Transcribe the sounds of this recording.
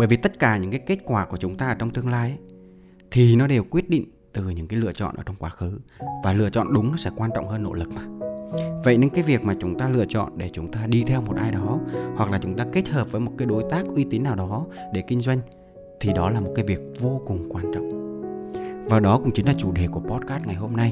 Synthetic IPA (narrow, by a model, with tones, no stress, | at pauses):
ɓəː˧˩jvi˨˩t̪ə˦˥t̚kaː˧˩ɲɨ̰˧˥ŋkaː˨˦jke˦˥t̚kwaː˧˩ku˧˩ət͡ɕʊ˨˦ŋ͡mt̪aː˧ʔəː˧˩t͡ɕɔ˧wŋ͡mt̪ɨ˧əŋlaː˧jʔ | t̪ʰi˨˩nɔ˨˦ɗe˨˩wkwi˦˥ət̚ɗḭ˧˨ŋ̟t̪ɨ˨˩ɲɨ̰˧˥ŋkaː˨˦jlɨ̰˧ət͡ɕɔ̰˧˨nʔəː˧˩t͡ɕɔ˧wŋ͡mkwaː˨˦xɨ˨˦vaː˨˩lɨ̰˧ət͡ɕɔ̰˧˨nɗʊ˨˦ŋ͡mnɔ˨˦sɛ̰˧˥kwaː˧nt͡ɕɔ̰˧˨wŋ͡mɦəː˧nːo̰˧˥lɨ˨˩k̚maː˨˩və̰˧˨jɲe˧˥ŋkaː˨˦jvi˨˩ək̚maː˨˩t͡ɕʊ˨˦ŋ͡mt̪aː˧lɨ̰˧˨ət͡ɕɔ̰˧˨nɗe˧˩t͡ɕʊ˨˦ŋ͡mt̪aː˧ɗi˧t̪ʰɛ˧wm˨˩t̚ʔaː˧jɗɔ˨˦hwa˨˩k̚laː˨˩t͡ɕʊ˨˦ŋ͡mt̪aː˧ke˦˥t̚həː˨˩p̚vəː˨˦jmo˨˩t̚kaː˨˦jɗo˨˦jt̪aː˦˥k̚ʔwi˧t̪i˨˦nːaː˨˩wɗɔ˨˦ɗe˧˩kï˧ŋ̟zwa˧jŋ̟ | t̪ʰi˨˩ɗɔ˨˦laː˨˩mo˨˩t̚kaː˨˦jvi˨˩ək̚vo˧kʊ˨˩ŋ͡mkwaː˧nt͡ɕɔ̰˧˨wŋ͡m | vaː˨˩ɗɔ˨˦kʊ̰˧˥ŋ͡mt͡ɕï˨˦ŋ̟laː˨˩t͡ɕu˧˩ɗe˨˩ku˧˩əpɔ˦˥t̚kaː˦˥t̚ŋa˨˩jɦo˧mna˧j